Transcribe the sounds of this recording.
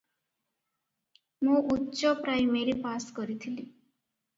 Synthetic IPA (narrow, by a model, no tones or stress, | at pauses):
mũʔutːʃɔpɾajmeɾipaskɔɾit̪ʰili